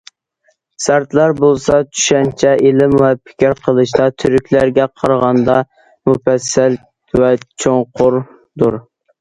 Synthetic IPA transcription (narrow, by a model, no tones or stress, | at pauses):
sæɾt̪lɑɾbolˠsɑt͡ʃʰy̥ʃɛnt͡ʃʰɛʔelɪmwɛpʰɪ̥kʲɪɾqʰəlˠɨʃt̪ɑt̪ʰyɾykʲlæɾɡʲɛqʰɑɾʁɑnd̪ɑ | mufɛsːɛl | wɛt͡ʃʰoŋqʰʊɾ | d̪uɾ